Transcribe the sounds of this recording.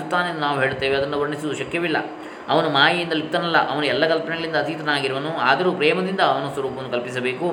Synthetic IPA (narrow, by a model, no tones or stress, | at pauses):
t̪ːaːneeːnd̪unaːʋuɦe̞ːɭt̪ːeːʋeɐd̪ɐnːɐʋɐɾɳisud̪uʃɐkjɐʋilːɐ̰ | ɐ̰ʋɐnumaːjɐjind̪ɐlip̚t̪ɐnɐlːɐ̰ʔɐʋɐnuɛlːɐkɐlpɐnɛɡɐɭind̪ɐːt̪it̪ɐnaːɡiɾɐʋɐnuaːd̪ɐɾupɾɛːmɐd̪ind̪ɐːʋɐnɐsʋɐɾuːpɐʋɐnːukɐlpis̬ɐbeːku